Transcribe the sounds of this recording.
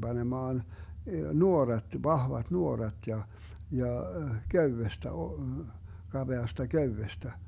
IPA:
b̥ɑnemɑːn nuorɑt ʋɑhʋɑt nuorɑt jɑ jɑ køywestæ o kɑb̥eɑstɑ køywestæ

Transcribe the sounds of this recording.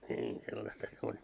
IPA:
nʲiːn selːɑstɑ se olʲ

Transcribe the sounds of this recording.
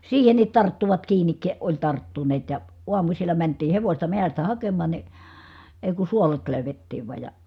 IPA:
siːhenit tɑrtːuʋɑt kiːnik olʲ tɑrtːuneːt jɑ uɑmusilːɑ mæntiː heʋosʲtɑ mehæstæ hɑkemɑn̞ ni eˑi̯ ku suolet løˑy̞ʋetːiːʋ ʋɑˑi̯j jɑ

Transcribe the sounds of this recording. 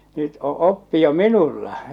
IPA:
nyt o opːi jo minulːɑ

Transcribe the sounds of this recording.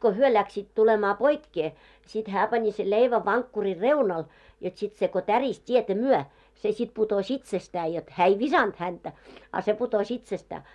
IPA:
ko hyø læksiːt tulemɑː poikːe sit hæː pɑni sel leiʋæ ʋɑŋkːuri reunɑl jot sit se ko tæris tʲietæ myœ se sit putos itsestæː jot hæː ei ʋisɑnd̥ hæntæ ɑ se putosʲ itsestæː

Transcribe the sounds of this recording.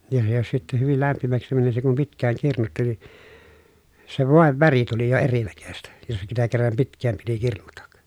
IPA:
jɑ se jos sitːe hyʋil læmpimæksi mæni se kum pitkˑæːŋ kirnutːi ni se ʋoˑeʋ ʋæri tuli jo erinækøstæ jos sitæ kerːɑm pitkˑæːm piti kirnutɑk

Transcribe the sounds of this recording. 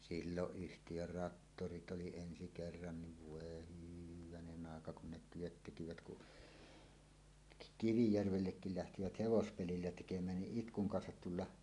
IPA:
silːoʔ ʔyhtijør rɑtːorit oli ensi kerːɑn niʋ ʋoˑe hyʋænenˑ ɑˑekɑ kun ne tyøt tekiʋæt kuʔ kiʋijærʋelːekːil læhtiʋæt heʋospelilːæ tekemˑæːn niʔ ʔitkuŋ kɑnsɑt tulːɑ

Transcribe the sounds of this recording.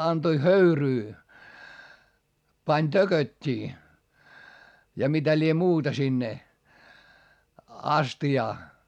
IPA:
ɑntoĭ høyryː pɑnʲ tøkøtʲːiː jɑ mitæ lie muːtɑ sinːe ɑstiɑː

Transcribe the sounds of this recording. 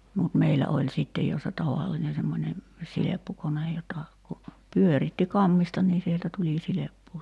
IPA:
mut meilæ olʲ sitːej jo se tɑʋɑlːine semːonʲe silepːukonej jotɑ ku pyøritːi kɑmːistɑ niː sieltæ tuli silepːuː

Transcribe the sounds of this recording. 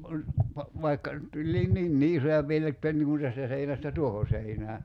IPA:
kun pɑ ʋɑikːɑ tulʲliːn ninːi isojɑ piel etːæ niŋ kun tæstæ seinæstæ tuoho seinæː

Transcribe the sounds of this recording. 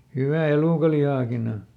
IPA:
hywæˑ eluˑkɑlihɑˑkin o

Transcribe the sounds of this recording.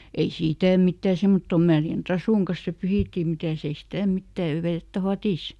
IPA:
ei siˑtæˑ mitːæˑ semːotːom mærjæn trɑsuˑŋ kɑs se pyhiˑtːiˑ mitæˑs ei stæˑ mitːæ jɑ ʋetːæ fɑtiˑs

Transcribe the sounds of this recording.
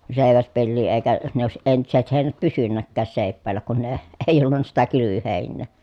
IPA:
seˑi̯ʋæspelːiː eˑi̯kæ ne oˑesiʔ ʔentiset heˑi̯næt pysynːækːæːs seˑi̯pːæːlːæ kun ne e eˑi̯ olːunˑɑ sitæ kylyʋyheˑinːeː

